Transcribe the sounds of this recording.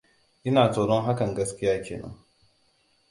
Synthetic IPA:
ʔɪ˦naː˨soː˨ɽɔ˦ŋɦa˦kɐ˨ŋɡɐ˦skʲɪ˦jaː˦kʲeː˨nɐ̰˦ŋ

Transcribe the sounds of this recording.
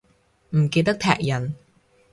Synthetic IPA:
m̩˨˩keː˧t̪ɐ˥k̚t̪ʰɛ̰ː˨˩k̚jɐ˨˩n

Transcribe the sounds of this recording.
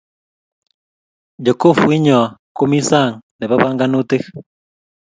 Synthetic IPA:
d͡ʒɔ˨ko˦˨fu˨i˦ɲɔ˨a˨ko˦mi˦sa˦˨ŋne˨βa˦βa˦ŋɡa˦nu˦te˦

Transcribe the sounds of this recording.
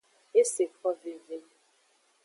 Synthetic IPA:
e˦se˨kɔ˦ve˨ve˦

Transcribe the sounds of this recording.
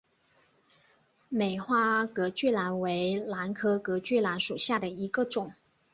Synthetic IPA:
me˨˩ɪxwa˥kɤ˧˥t͡ɕy˥˩la˧˥nwe˧˥ɪla˧˥nkʰɤ˥kɤ˧˥t͡ɕy˥˩la˧˥nʂu˨˩ɕja˥˩d̪ə˩i˧˥ɡə˧ʈ͡ʂʊ˨˩˦ŋ

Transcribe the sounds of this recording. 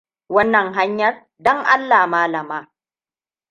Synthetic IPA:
wɐ˦nːɐ˨ŋɦa˦ɲjɐ˦r | dɔ˦ŋʔa˦lːaː˨maː˦lɐ˨maː˦

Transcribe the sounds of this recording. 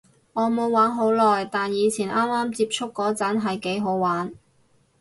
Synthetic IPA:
ŋɔː˨˧mo˨˧wːaː˨˥nɦo˨˥wlɔː˨˩jt̪aː˨njiː˨˧t͡sʰiː˨˩nʔaː˥mːaː˥mt͡siː˧˥p̚t͡sʰʊ˥kːɔː˨˥t͡sɐ˨˥nɦɐ˨jke˨˥jɦo˨˥wwaː˨˥n

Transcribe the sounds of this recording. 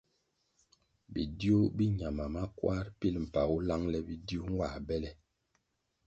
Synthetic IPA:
bḭ˨di˦o˦bi˦ɲa˨ma˨ma˦kwa˦ɾpi˦lm̩˨pa˨ɣu˦la˦ŋlɛ˦bi˨di˦o˦ŋ˦wa˨bɛ˦lɛ˦

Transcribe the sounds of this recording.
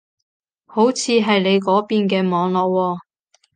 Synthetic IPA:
ho˨˥wt͡sʰiː˨˧ɦɐ˨jle˨˧jkɔː˨˥piː˨nkɛː˧mɔː˨˧ŋlɔː˨k̚wɔː˧

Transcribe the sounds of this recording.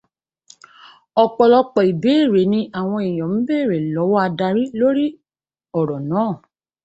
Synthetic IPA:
ɔ˧k͡pɔ˧lɔ˧k͡pɔ˨i˨be˨˦˨ɾe˨˦nĩ˧ʔa˨w̃ɔ̃˧i˨j̃ɔ̃˨m̩̃˦be˦˨ɾe˨lɔ˨˦wɔ˦a˧da˧ɾi˦lo˦ɾi˦ | ɔ˨ɾɔ˨nãː˨˦˨

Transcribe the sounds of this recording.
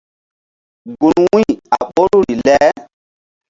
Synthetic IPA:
ɡu˨nwĩ˦a˨ɓo˦ɾu˦ɾi˨lɛ˦

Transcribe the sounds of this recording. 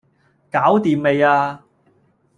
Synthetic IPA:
kaː˨˥wt̪iː˨mme˨˧jaː˧

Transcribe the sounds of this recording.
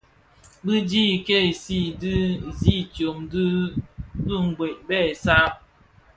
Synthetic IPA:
bɨ˦d͡ʒi˦˨ke˦˨si˦˨dɨ˦zi˦t͡ʃjo˨md | ɡɨ˦ŋ̩˨ɡwe˨ʔ̚bɛ˦˨sa˦p̚

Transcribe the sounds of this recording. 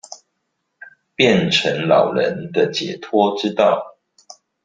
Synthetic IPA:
pjɛ˥˨nʈ͡ʂʰə˧˦˥ŋlɑ˨˩ʊɻə̰˧˦nd̪ə˨t͡ɕjɛ̰˨˦t̪ʰwɔ˥ʈ͡ʂɻ̩˥t̪ɑ˥˨ʊ

